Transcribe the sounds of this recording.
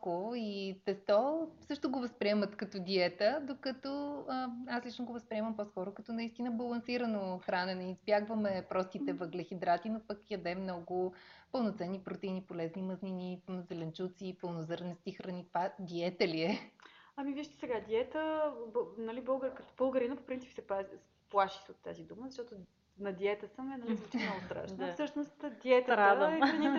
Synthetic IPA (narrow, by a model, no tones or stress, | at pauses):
koit̪ɛst̪ɔsɤʃt̪ʊɡovɐspɾʲiɛmət̪kɐt̪ɔd̪iɛt̪əd̪okɐt̪ɔəaslit͡ʃnoɡovɐspɾiɛmɐmpɔskɔɾʊkɐt̪ɔnɐist̪inəbɐlˠɐnsiɾənoxɾanɛnɛizbjaɡvəmɛpɾɔst̪it̪ɛvəɡlɛxid̪ɾat̪inopəkjɐd̪ɛmnɔɡʊpəlˠnot̪sɛnːipɾot̪ɛinipolɛzniməzninizɛlɛnt͡ʃut̪siːpəlˠnozɤɾnɛst̪ixɾɐnit̪vad̪iɛt̪ɛliɛɐmiviʃt̪ɛ̥sɛɡad̪iɛt̪əbnɐlibɤlˠɡəɾkət̪b̥əlˠɡəɾinəpopɾint̪sipsɛpa | plˠaʃi̥sot̪ːa̰zid̪uməzɐʃt̪ɔt̪ʊ | nɐd̪iɛt̪əsəmɛnɐliot̪ɛnaʊst̪ɾa̰ʃnfsɤʃnost̪d̪ʲiɛt̪əɾad̪əxɾɐni